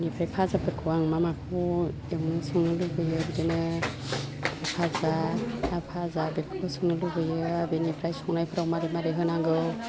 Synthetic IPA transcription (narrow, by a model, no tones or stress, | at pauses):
nipʰɾajpʰazabɯkʰuwaŋmamakʰɔ | ewŋnɯsɯŋnɯlɯbɯjɯɾidenɯ | apʰazaapʰazabepʰakʰɯsɯŋnɯlɯbɯjɯabenipʰɾajsɔŋnajpʰɯɾawmaɾimaɾiɦɯnaŋɡɯw